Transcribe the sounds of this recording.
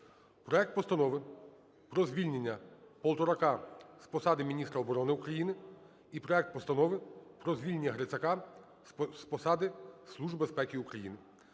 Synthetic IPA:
pɾɔɛk̚t̪̚pɔst̪ɐnɔʋɪ | pɾɔzʲʋʲilʲnʲenʲːɐpɔlˠt̪ɔɾɐkɑspɔsɑd̪ɪmʲinʲist̪ɾɐɔbɔɾɔnɪʊkɾɐjinɪ | ipɾɔɛk̚t̪̚pɔst̪ɐnɔʋɪpɾɔzʲʋʲilʲnʲːɐɦɾet͡sʲɐkɑ | spɔsɑd̪ɪslˠuʒbespɛkʲiukɾɐjḭnɪ

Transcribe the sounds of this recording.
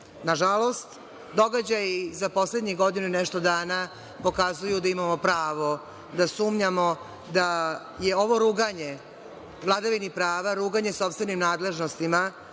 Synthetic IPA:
naʒalo̞st̪ | d̪o̞ɡad͡ʑajizapo̞sled̪ɲiɡo̞d̪inuinɛʃt̪od̪aːna | po̞kazujud̪aimamo̞pɾaːʋo̞ | d̪asuːmɲamo̞ | d̪a | jeo̞ʋo̞ɾuːɡaɲe | vlˠad̪aʋinipɾaːʋaɾuːɡaɲeso̞pst̪ve̞nimnaːd̪le̞ʒnost̪ima

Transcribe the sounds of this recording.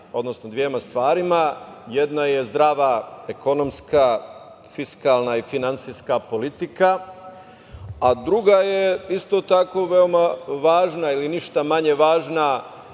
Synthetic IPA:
o̞d̪nosnod̪ʋjemast̪ʋaːɾimajed̪naje̞zd̪ɾaːʋaeko̞no̞mska | fiskalˠnaifinant̪siskapo̞lit̪ika | ad̪ɾuɡajeist̪o̞t̪ako̞ʋe̞o̞maʋaːʒnailiniʃt̪amaɲe̞ʋaːʒna

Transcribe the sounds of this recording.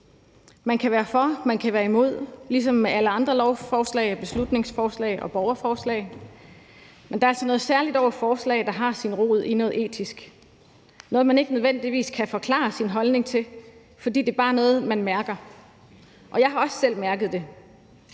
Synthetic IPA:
mænkʰæʋæːɐfɒ̽mænkʰæʋæːɐimo̝ð̞̰ˠlis̬ɒ̽mːeʔæləɑ̈nd̥ʁɐlɒʊfɒːslɛ̰ːɪb̥e̝slud̥ne̝ŋsfɒːslɛ̰ɪʔɒ̽b̥ɒʊɐfɒːslɛ̰ɪ | mend̥ɑ̈ɐæl̰sɒnɔ̽ːð̞̩ˠsæɐlid̥ɒʊ̰ɐfɒːslɛ̰ːɪd̥ɑ̈ɦɑ̈sinʁo̝̰ð̞̰ˠinɔ̽ːð̩ˠe̝̰ːt͡sʰisɡ̥ | nɔ̽ːð̞̩ˠmæne̝ɡ̥ənøð̞ˠʋen̰d̥iʋḭːskʰæfɒ̽kʰlɑ̰̈ːsinɦɒ̽lne̝ŋt͡sʰe̝ | fɒ̽d̥ḭːd̥e̝ːb̥ɑ̈ːnɔ̽ːð̩ˠmænmæɐɡ̥ɐ | ʔɒ̽jɑ̈ɪɦɑ̈ɒ̽ssel̰mæɐɡ̥əð̞̩ˠd̥e̝

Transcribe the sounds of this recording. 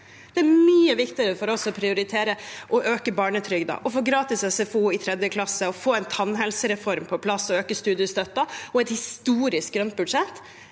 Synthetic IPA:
d̪̥ɛæɾmyːəʋɪkt̪ɪəɾəfɔɾɔsɔpʰɾɪʊɾɪt̪ʰeːɾəʔɔʔøːkəbɑːɳət̪ʰɾʏɡd̪ɑ̰ʔɔfoːɡɾɑːt̪ɪsɛsɛfuːɪt̪ʰɾɛd̪jəkʰlɑsːəɔfoːɛɪnt̪ʰɑnɦɛlsəɾɛfɔɾmpʰɔpʰlɑsːɔøːkəst̪ʉːd̪ɪəst̪œt̪ːɑɔɛt̪hɪst̪uːɾɪsk̚ɡɾœnt̪̚bʉd̪ʂɛt̪ː

